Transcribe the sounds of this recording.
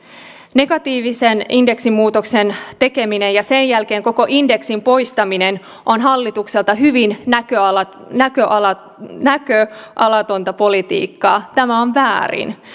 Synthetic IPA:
ne̞ɡ̥ɑt̪iːʋiseninde̞ksimːuːt̪okse̞nt̪e̞ke̞mine̞jɑse̞njælke̞ːŋko̞ko̞ʔinde̞ksimpo̞jst̪ɑminen | ʔonɦɑlːit̪ukselt̪ɑɦyʋinækøɑlɑ | nækøʔɑlɑ | nækøʔɑlɑt̪o̞nt̪ɑpo̞lit̪ḭːkːɑːt̪æmæoɱʋæːrḭn

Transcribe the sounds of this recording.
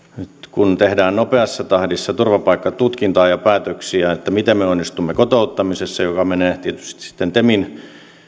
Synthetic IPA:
nyt̪kunt̪ehdæːnnopeɑsːɑt̪ɑhdisːɑt̪urʋɑpɑikːɑt̪ut̪kint̪ɑːjɑpæːt̪øksiæet̪ːæmit̪emmeonːist̪umːekot̪out̪ːɑmisesːɑjokɑmeneːt̪iet̪y̥st̪i̥si̥t̪ːent̪emin

